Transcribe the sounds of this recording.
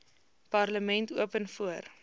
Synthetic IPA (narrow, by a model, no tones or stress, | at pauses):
pɐrləmɛntuəpənfuər